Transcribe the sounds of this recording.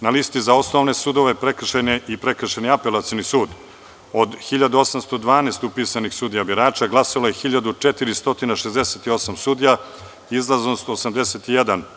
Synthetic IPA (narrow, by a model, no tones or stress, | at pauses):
nalist̪izao̞snoʋne̞suːd̪oʋepɾekr̩ʃeneipɾek̩ʃeniapelat̪sionisuːd̪ | od̪xiʎad̪uo̞samst̪o̞d̪ʋaːneːst̪upisanixsud̪ijabiɾaːt͡ʃaɡlˠasolojexiʎad̪ut͡ʂet̪iɾist̪o̞t̪inaʃezd̪eset̪io̞samsud̪ija | izlˠazost̪oːsamd̪e̞set̪ijed̪an